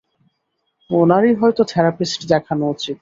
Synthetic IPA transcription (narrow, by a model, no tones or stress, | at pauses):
monaɾiɦɔjt̪ot̪ʰɛɾapisʈd̪ɛkʰanot͡ɕʰit̪